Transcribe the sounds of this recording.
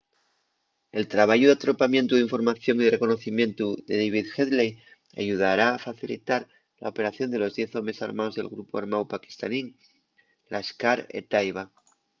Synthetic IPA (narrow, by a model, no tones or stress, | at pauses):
e̞lt̪ɾaβ̞aʝuðeat̪ɾo̞pamje̞nt̪uðiɱfo̞ɾmaθjo̞ŋiðere̞ko̞no̞θimjẽ̞nt̪uðe̞ðejβiðxeðlej | a̰ʝuð̞aɾaːfaθilḭt̪aɾ | la̰o̞pe̞ɾaθjo̞nd̪e̞lo̞zðje̞θo̞mɾe̞sa̰ɾmao̞zðe̞lɣɾupoa̰ɾmawpaki̥st̪aniŋ | lʔaskaɾḛt̪ajβa